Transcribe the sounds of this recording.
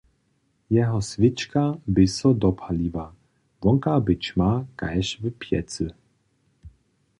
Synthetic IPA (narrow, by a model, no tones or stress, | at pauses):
jɛɦɔsvit͡ʃkabɪsɔd̪ɔpʰaliva | vɔŋkabɪt͡ʃmaka̰jʃvɨpʰjɛt͡sɨ